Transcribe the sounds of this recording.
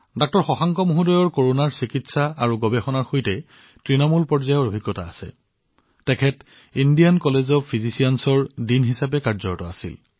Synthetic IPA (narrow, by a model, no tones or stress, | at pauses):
dɔk̚tɔɹxɔxaŋkɔmuɦudɔjɔɹkoɹonaɹsikitsaaɹuɡɔbɛxɔnaɹxojtɛ | tɹinɔmulpɔɹzajɔɹobʱiɡːɔta̰ːsɛ̰ | tɛkʰɛt | indijankɔlezɔpʰizisiansɔɹdinɦisap̬ɛkaɹzɔɹtɔa̰sḭl